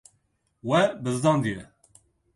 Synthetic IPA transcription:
wɛbɨzd̪ɑːnd̪ijɛ

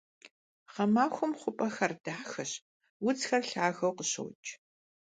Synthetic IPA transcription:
ʁɐmaːxʷʊmχʷʊpʼɐxɐrd̥aːħxɐɕ | wʊt͡sxɐrɬaːɣɐwqəɕɐ̰wt͡ʃʼ

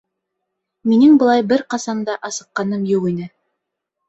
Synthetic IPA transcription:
minɘŋbɤ̆lˠɑjbɘɾqɑsɑmd̪ɑʔɑsɤ̆qːɑnɤmjuʁinɘ

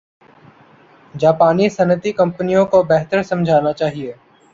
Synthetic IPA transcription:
d͡ʒaːpaːnisɐnət̪ikɐ̃mpənijõkobɛɦt̪əɾsɐ̃md͡ʒʱaːnat͡ʃaːɦieː

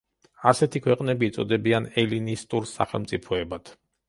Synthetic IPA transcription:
asɛt̪ʰikʰwɛqʼnɛbiːt̪sʼɔ̰d̪ɛbianɛlinist̪ʼuɾsa̰χɛ̰lˠmt̪sʼipʰɔɛbad̪̥

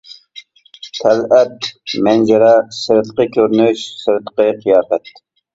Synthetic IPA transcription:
t̪ʰɛlɛt̪mɛnd͡ʒɛɾɛsɨɾt̪qəkʲʰøɾnyʃsɨɾt̪qəqijɑːqɛt̪̚

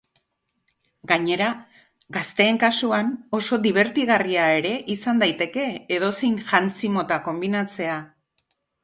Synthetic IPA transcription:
ɡaɲe̞ɾa | ɡast̪e̞ːŋkasuano̞so̞d̪iβ̞e̞ɾt̪iɣariae̞ɾe̞ʔisand̪ajt̪e̞ke̞ːðo̞sejnʝant͡simo̞t̪ako̞mbinat͡se̞a

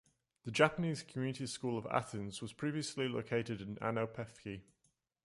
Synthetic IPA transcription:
ðəd͡ʒapəniːz̥kʰəmjʉːnɪti̥skuːləva̰θə̃nzwɒz̥pʰɹ̥iːviəslilə̰ʊkʰeɪtɪdɪ̃na̰noʊpʰɛfki

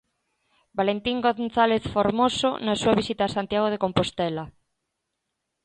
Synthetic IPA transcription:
balent̪iŋɡoθaleθfoɾmoso̰nasuaβisit̪aːsant̪jaɣ̞oð̞ekompost̪ɛla

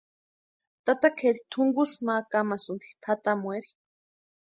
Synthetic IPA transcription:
t̪at̪akʰeɾit̪ʰuŋɡusmakamasɨnt̪i̥pʰat̪amwʷeɾi̥

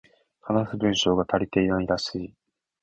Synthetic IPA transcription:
hanasɨbɯ̟̃ɰ̃ɕo̞ːɡat̪aɾʲit̪eiãid̪asɨi

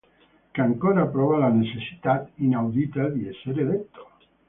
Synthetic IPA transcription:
keaŋkoɾapɾɔβalanet͡ʃesi̥t̪at̪inawd̪it̪ad̪ieseɾelet̪ːo̥

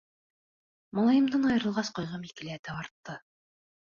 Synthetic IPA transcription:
mɑlˠɑjɤ̆md̪ɤnɑjɤ̆ɾɤ̆lˠʁɑsqŏjʁɑmilkɘ̆læt̪æɑɾt̪ːɤ

